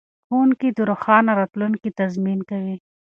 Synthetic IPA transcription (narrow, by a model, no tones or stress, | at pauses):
xuːnkid̪ʊɾʊxɑːnaɾat̪lunkit̪ɐzminkɐwi